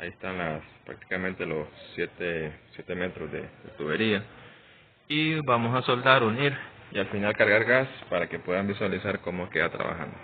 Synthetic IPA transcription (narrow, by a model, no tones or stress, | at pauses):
a̰iest̪anlaspɾa̰k̚t̪i̥kament̪e̞lo̞sːjet̪esje̞t̪e̞me̞t̪ɾo̞zd̪e̞̰d̪et̪uβe̞ɾia | ibamo̞saso̞ld̪aɾuniɾialfinalkaɾɣaɾɣaspaɾake̞pwe̞ðambiswalisaɾko̞moeskeðat̪ɾa̰βa̰xa̰nd̪o